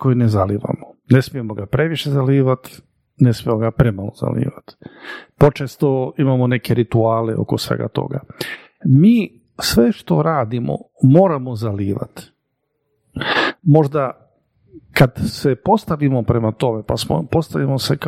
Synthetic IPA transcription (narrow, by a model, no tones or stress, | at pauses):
ko̞jinezaliːʋa̰mone̞smije̞moɡapɾe̞ʋiʃe̞zaliːʋat̪ | ne̞smijemoɡapɾe̞malˠo̰za̰lḭːʋat̪po̞t͡ʃest̪oimamone̞keɾit̪uaːleʔo̞̰kosʋḛɡa̰t̪o̞̰ɡa̰ | miː | sʋeʃt̪o̞ɾaːd̪imo̰ | moːɾamo̞zaliːʋa̰t̪ | mo̞ʒd̪a | kad̪sepo̞st̪aʋimopɾe̞mat̪o̞mepasmo̰po̞st̪aʋimosek